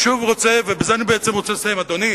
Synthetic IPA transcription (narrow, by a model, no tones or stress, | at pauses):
ʃuvʁot͡sevebezeanibeet͡semʁo̞t͡selesajemad̪oni